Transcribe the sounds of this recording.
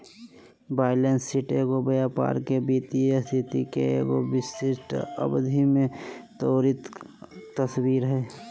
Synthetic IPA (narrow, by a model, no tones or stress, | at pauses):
baːɪlənsiʈeːɡobəjapa̰ːɾkebiːt̪iest̪ʰɪt̪ikḛḛːɡobɪsɪʃʈə̰bd̪ʱimẽt̪oːɾɪt̪ː | əswiːɾɦɛː